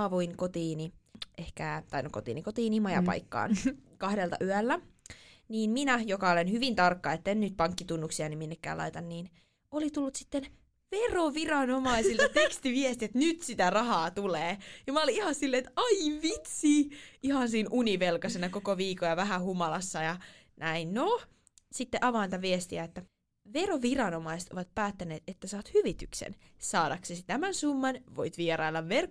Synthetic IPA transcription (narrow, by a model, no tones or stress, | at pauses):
ɑʋuinkot̪iːniʔehkæt̪ɑinokot̪ḭːnikot̪iːnimɑjɑ̰pɑ̰jikːɑ̰ːnkɑhdelt̪ɑ̰ʔyælːæ | niːnminæjokɑolenhyʋint̪ɑrkːɑet̪ːennyt̪̚pɑŋkːit̪unːuksiɑniminːekːæ̰ːlɑ̰it̪ɑnniːn | olit̪ulːut̪si̥t̪ːen | ʋeroʋirɑnomɑisilɑt̪ekst̪iʋiest̪iet̪nyt̪sit̪ærɑhɑːt̪uleːjɑmɑoliihɑsilːeet̪ɑiʋit̪siːihɑnsiːnʔuniʋelkɑsenɑkokoʋiːkojɑʋæɦæhumɑlɑsːɑjɑ | nʔæinno | sit̪ːeʔɑʋɑint̪ɑʋiest̪iæet̪ːæ | ʋeroʋirɑnomɑise̥t̪oʋɑt̪̚pæːt̪ːæneːt̪et̪ːæsɑːt̪hyʋit̪yksḛnsɑːdɑksesit̪æmænsumːɑnʋoit̪ʋieɾɑilːɑʋʋerk